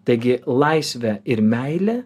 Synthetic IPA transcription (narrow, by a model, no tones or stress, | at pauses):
t̪ɐɪɡʲɪlˠɐɪsʲʋʲɛɪɾmʲæɪlʲɛ